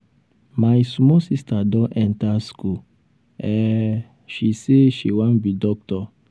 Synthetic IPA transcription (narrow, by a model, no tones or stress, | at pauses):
majsmɔsistadɔ̃nʔɛ̃ntasku | ɛ | ʃiseʃiwãnbidɔk̚tɔ